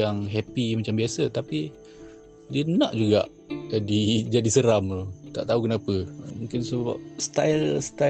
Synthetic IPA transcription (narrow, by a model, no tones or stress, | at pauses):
aŋɦɛpimat͡ʃambiasət̪api | diənaʔd͡ʒuɡa̰ʔ | d͡ʒadid͡ʒadisəɾamlot̪a̰ʔt̪aukənapəmũŋkɪnsəba̰p̚st̪alst̪a